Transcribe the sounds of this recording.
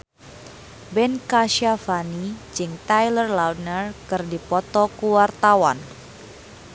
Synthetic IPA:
bɛnkaʃafanid͡ʒɨŋt̪ajlərlawdnərkɨrdipɔt̪ɔkuwart̪awan

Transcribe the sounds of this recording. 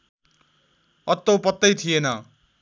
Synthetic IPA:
ʌt̪ːopʌt̪ːʌjt̪ʰijenʌ

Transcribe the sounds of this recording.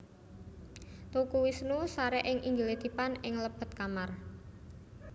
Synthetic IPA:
t̪ukuwisnusaɾɛʔɪŋʔiŋɡiled̪̥i̤panɪŋləb̥ə̤t̪̚kamar

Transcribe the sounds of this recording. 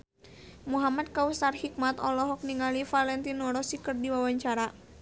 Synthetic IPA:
muɦamad̪̚kausarhik̚mat̪ɔlɔɦɔk̚niŋalifalɛnt̪inɔɾɔsikɨrdiwawaɲt͡ʃaɾa

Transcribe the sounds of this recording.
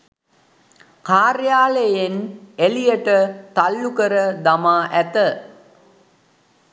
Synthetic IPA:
kaːrjaːlejenelijəʈət̪alːukəɾəd̪amaːʔæt̪ə

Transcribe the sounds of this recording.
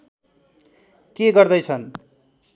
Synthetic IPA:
keɡʌrd̪ʌjt͡sʰʌn

